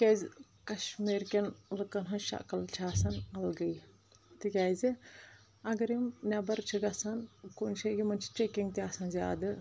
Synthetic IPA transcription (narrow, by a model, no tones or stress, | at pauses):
kʲezʲ | kɐʃmiːɾkʲenlɨkɐnɦɐʃɐ̰kɐlt͡ʃʰaːsɐnɐlɡɐj | t̪ɨkʲaːz | ɐɡɐɾimnʲɐbɐɾt͡ʃʰiɡɐsɐnkonʃʰeɡʲimɐnʲt͡ʃʰi̥t͡ʃekʲiŋɡt̪ʲaːsɐnzʲa̰ːd̪ɨ